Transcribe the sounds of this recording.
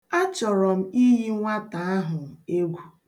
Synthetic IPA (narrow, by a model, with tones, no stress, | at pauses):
a˦t͡ʃɔ˨ɾɔ˨m̩˦i˦ɦi˦ŋʷa˦ta˨a˦ɦʊ˨e˦ɡʷu˦